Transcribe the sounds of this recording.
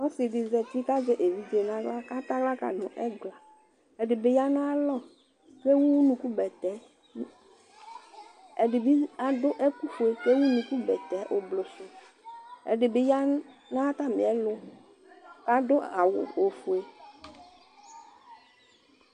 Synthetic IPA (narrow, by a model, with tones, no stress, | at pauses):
ɔ˦sɪ˨ɖɪ˨zɛ˨t̪i˦ka˦d͡ʒe˦ʔe˨vi˦d͡ʒe˨nã˦ɡla˦ka˦t̪a˦ɡla˦ka̰˨nʊ̃˨ʔɛ˦ɡla˨ | ɛ˨ɖɪ˨bɪ˨ja˦nã˦lɔ˦ | ke˦wu˦nũ˨ku˦bɛ˨t̪ɛ˨˦˨ | ɖɪ˨bi˦a˨dʊ˦ʔe˦ku˦fu˨e˨ke˦wu˦nũ˨ku˦bɛ˨t̪ɛ˨˦ʔʊ˨blʊ˨sʊ˨ | ɛ̰˨ɖɪ˨bɪ˨ja˦nã˦t̪a˦mɪ˨ɛ˦lʊ˦ | ka˦dʊ˦a˨wʊ̰˨o˨fʊ˨e˨